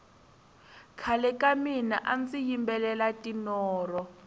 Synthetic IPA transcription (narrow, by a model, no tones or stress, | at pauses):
kʰalɛkʼaminaʔant͡sijimbɛlɛlatʼinɔːrɔ